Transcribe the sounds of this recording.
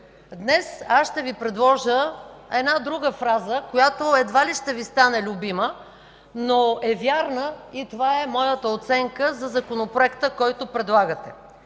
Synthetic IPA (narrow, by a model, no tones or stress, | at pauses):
d̪nɛsasʃt̪ɛvipɾɛd̪lˠɔʒəɛd̪nad̪ɾuɡəfɾazəkojat̪oɛd̪valiʃt̪ɛvist̪anɛlʲʊbimə | noɛvʲjaɾnəit̪ovaɛmɔjət̪əot̪sɛŋkəzɐzɐkonopɾoɛkt̪əkɔjt̪opɾɛd̪lˠaɡət̪ɛ